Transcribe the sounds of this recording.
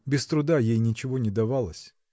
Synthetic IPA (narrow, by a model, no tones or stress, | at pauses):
bʲɪst̪ɾʊd̪ajejnʲɪt͡ɕɪvo̞nʲɪd̪ɐvalˠəsʲ